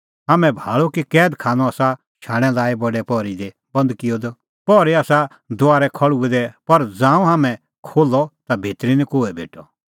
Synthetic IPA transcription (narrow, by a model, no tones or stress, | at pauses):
ɦaːmɛ̃bʱaːɭokikɛːd̪kʰaːnɔaːsa | ʃʰaːɽ̃ɛ̃laːibɔɖɛpɔɾid̪e | bɐ̃nd̪kɪjɔd̪ɔ | pɔːɾiaːsa | d̪ʊaːɾɛkʰɔɭuɛd̪ɛpɐɾd͡zãːũɦaːmɛ̃ | kʰoːlːɔt̪abʱeːt̪ɾinĩkoːɛbʱḛːʈɔ